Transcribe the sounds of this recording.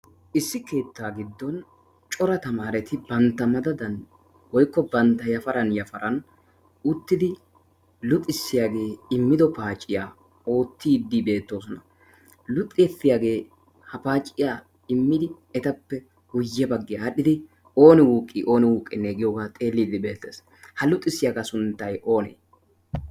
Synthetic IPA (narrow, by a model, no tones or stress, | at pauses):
ʔɪsːɪke̞ːt̪ːaːɡɪd̪ːɔn | t͡ʃʼɔɾɐt̪ɐmaːɾɛt̪ɪbɐnt̪ːɐmɐd̪ɐd̪ɐn | wɔjkːɔbɐnt̪ːɐjɐfɐɾɐnjɐfɐɾɐn | ʊt̪ːɪd̪ɪ | lʊt̪ʼːɪsːɪjaːɡe̞ːɪmːɪd̪ɔpaːt͡ʃʼːɪjaː | o̞ːt̪ːiːd̪ːiːbe̞ːt̪ːoːs̬ɔnɐ | lʊt̪ʼːɪjɛt̪ːɪjaːɡe̞ː | hɐpaːt͡ʃʼːɪjaː | ɪmːɪd̪ɪ | ɛt̪ɐpːɛ | hʊjːɛbɐɡːɪjaɐɗɪd̪ɪ | o̞ːnɪwuːkʼːḭʔo̞ːnɪwuːkʼːɪneːɡɪjoːɡaːt̪ʼe̞ːlːiːd̪ɪbe̞ːt̪ːḛːs | hɐlʊt̪ʼːɪsːɪjaːɡasʊnt̪ːɐjo̞ːnḛː